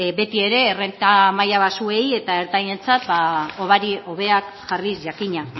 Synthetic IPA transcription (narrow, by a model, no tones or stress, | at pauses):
be̞t̪ie̞ɾe̞ːrent̪amajaβasue̞je̞t̪ae̞ɾt̪aje̞nt͡sat̪baoβaɾio̞βe̞ak | ʝarisʝakiɲa